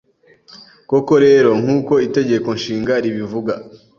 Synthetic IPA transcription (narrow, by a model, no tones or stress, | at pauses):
ko̞ko̞ɾe̞ːɾo̞ŋ̥huːko̞ite̞ɟe̞ko̞nʃiːŋɡaɾiβivuɡa